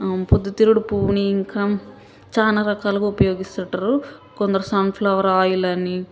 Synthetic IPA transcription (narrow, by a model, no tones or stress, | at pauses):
pod̪ːut̪iɾuɽupuːniŋkaː | t͡ʃaːnaːɾɐkaːlɐkuupɐjo̞ːɡist̪ɐʈːɐɾukond̪ɐɾusɐːnpʰlɐʋɐɾaːjulɐnːi